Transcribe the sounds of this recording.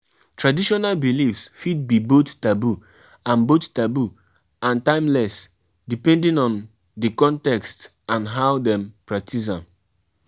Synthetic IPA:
tɹadiʃɔnalbilifsfid̚bibottabu | ãnbottabu | ãntãɪ̃mlɛs | dipɛ̃ndĩnɔ̃n | dikɔ̃ntɛkst | ãnɦaʊdɛ̃mpɹak̚tis̬ãm

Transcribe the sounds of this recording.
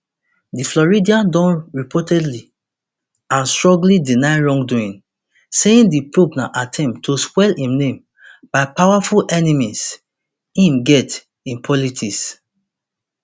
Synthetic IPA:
diflɔɹidiãdɔ̃nɹipʰɔtɛdli | ãnstɹɔ̃ɡlidinaɪɹɔ̃ŋɡduĩn | seĩndipɹobnaʔatʰɛ̃mtʰːoskwɛlhĩmnẽm | b̥aɪpawafulʔɛnimis | hĩmɡɛt | ĩnpʰɔlitʰis

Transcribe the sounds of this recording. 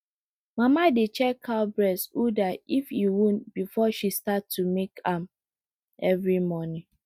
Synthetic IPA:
mamadet͡ʃɛkʰːalbɹɛsudaifiwũnbifɔʃistaumekãm | ɛvɹimɔnĩ

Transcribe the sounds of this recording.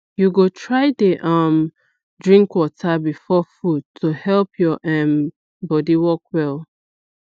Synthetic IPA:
juɡotʰɹaɪdeʔʌm | dɹĩŋkwɔtʰabifɔfud̚tʰohɛlpʰjɔʔɛ̃n | bɔdiwɔkwɛlˠ

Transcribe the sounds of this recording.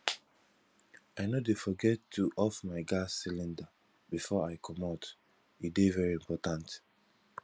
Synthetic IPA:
aɪnodefɔɡɛtʰːuʔɔfmaɪɡasilĩnda | bifɔaɪkʰɔmat | idevɛɹiĩmpɔtãnt

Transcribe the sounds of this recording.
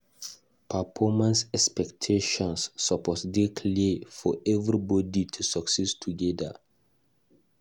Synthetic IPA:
pʰafɔmãnsɛkspɛktʰeʃɔ̃nsːapʰɔtdekʰlefɔʔɛvɾibɔditʰusaksɛstʰuɡɛda̰

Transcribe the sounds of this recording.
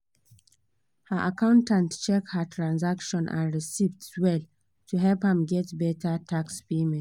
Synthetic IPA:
həʔakãʊ̃ntãntt͡ʃɛk̚hətʰɹãnzakʃɔ̃nʔã̰nɹisivdwɛl | tʰuɦɛlphə̃mɡɛtbɛtatʰakspemɛ̃t

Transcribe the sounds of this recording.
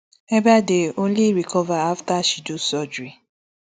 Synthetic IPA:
ɛbadeõnliɾikʰɔvaaftaʃidosɔd͡ʒɹi

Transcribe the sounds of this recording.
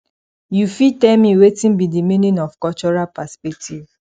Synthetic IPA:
jufitɛmĩwetĩnbidimĩnĩnɔfkɔt͡ʃɔɹapaspɛk̚tʰiv

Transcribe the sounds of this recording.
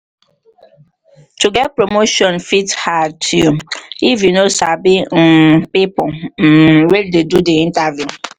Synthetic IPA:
tuɡɛt̚pɾomoʃɔ̃nfithad̚tʰjuifjunosabim̩pipɔm̩ɾeldedudiĩntavju

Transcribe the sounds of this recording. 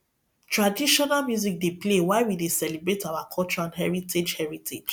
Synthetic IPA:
tɹadiʃɔnalmjuzik̚deplewaɪwidesɛlibɹetawakʰɔlt͡ʃɔɹãnɦɛɹitʰed͡ʒhɛɹitʰed͡ʒ

